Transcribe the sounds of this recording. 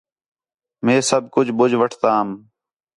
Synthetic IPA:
mẽːsəb̚kʊd͡ʒbʊd͡ʒʱʋəʈʰt̪aːm

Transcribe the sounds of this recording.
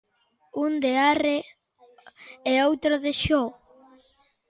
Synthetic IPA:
und̪eare | eowt̪ɾoðeʃo

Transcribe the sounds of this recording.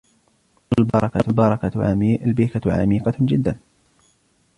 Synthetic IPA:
ʔalbɑɾˤɑkabɑɾˤɑkaalbiːkaʕa̰miːqɑd͡ʒɪd̪ːan

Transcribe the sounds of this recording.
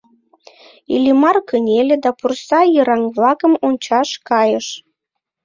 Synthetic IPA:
ḭlʲimɑrkənʲelʲɘ̆d̪ɑpursɑjəɾɑŋβlˠɑkə̆munʲt͡ɕɑʃkɑjə̆ʃ

